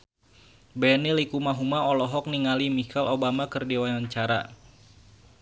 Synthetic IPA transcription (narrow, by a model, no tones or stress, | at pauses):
bɛnilikumaɦumaɔlɔɦɔk̚niŋalimikalʔobamakɨrdiwanaɲt͡ʃaɾa̰